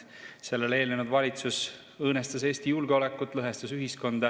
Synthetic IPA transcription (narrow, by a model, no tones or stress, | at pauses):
se̞lːe̞le̞ːlnenud̪vɑlʲit̪sus | ɤːnest̪ɑse̞ːsʲt̪ijulɡ̥eo̞le̞kːˑut̪ːˑlɤɦest̪usyɦisko̞nd̪̥ɑ